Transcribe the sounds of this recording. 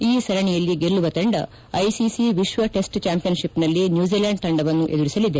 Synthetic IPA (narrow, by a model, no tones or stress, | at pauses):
iːsɐɾɐɳijɐlːiɡe̞ɭːuʋɐt̪ɐɳɖɐ̰ | ɐjsisiʋiʃʋɐʈe̞sʈt͡ʃaːmpijɐnʃipnɐlːinjuːd͡ʒilaːɳɖ̚t̪ʰɐɳɖɐʋɐnːuʔe̞d̪uɾisɐlid̪e̞